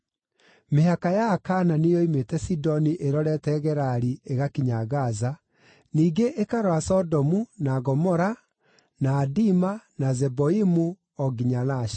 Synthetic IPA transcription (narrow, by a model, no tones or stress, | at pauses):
meɦakajaːkananejɔimetɛsidɔniʔeɾɔɾɛtɛɣɛɾaɾieɣakiɲaɣaza | niːɡeʔekaɾoasɔdɔmunaɣɔmɔɾa | naːdimanazɛboimu | ɔɡiɲanaʃḁ